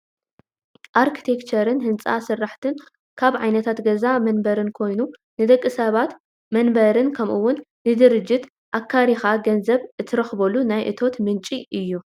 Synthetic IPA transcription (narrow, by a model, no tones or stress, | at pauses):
ʔaɾkʰi̥t̪ʰe̞kt͡ʃʰɐɾɨnɦɨnt͡sʼa̰sɨrːaħt̪ʰɨn | kʰaβʕa̰jnɐt̪ʰat̪ɡɐzamɐnbɐɾɨnkʰo̞jnunɨd̪ɐkʼːɨsɐβat̪ | mɐnbɐɾɨnkʰɐmʔuwːʊnːɨd̪ɨɾɨd͡ʒːɪt̪ | ʔakʰːaɾixaɡɐnzɐβʔɨt̪ʰːɨɾɐxbɐlunajʔɨ̰t̪ʰo̞t̪mɨnt͡ʃʼiʔɨjːu